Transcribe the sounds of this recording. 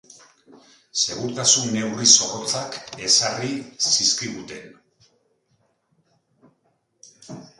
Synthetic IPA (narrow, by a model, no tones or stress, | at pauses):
se̞ɣ̞uɾt̪asunːe̞wriso̞rot͡sake̞sarisiskiɣut̪e̞n